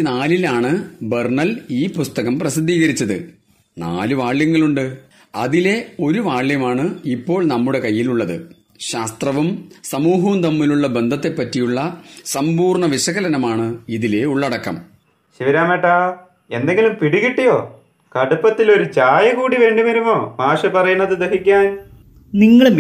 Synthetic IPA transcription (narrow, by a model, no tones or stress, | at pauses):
naːlilaːɳɨberɳɐliːpust̪ɐɣɐmprɐsid̪ʱːiːɣɐɾit͡ɕːɐðɨ̰ | na̰ːlɨʋaːɭːjɐŋːɐɭuɳɖɨ | ɐðile̞o̞ɾuʋaːɭːjɐmaːɳɨipːo̞ːɭnɐmːuɽe̞kɐjːiluɭːɐðɨ | ɕaːst̪rɐʋumsɐmuːɦɐmt̪ɐmːiluɭːɐbend̪ʱɐt̪ːepːɐtːijuɭːɐsɐmpuːrɳɐʋiɕɐɣɐlɐnɐmaːɳɨiðile̞uɭːɐɽɐkːɐm | ɕiʋiɾaːmeʈːaː | e̞nd̪e̞ŋɡilumpiɽiɣiʈːijo̞ː | kɐɽupːɐt̪ːilo̞ɾut͡ɕaːjɐɣuːɽiʋe̞ːɳɖimɐɾumo̞ːmaːʂɐpɐrɐjunːɐðɨd̪ɐɦikʲːaːn | niŋːɐɭ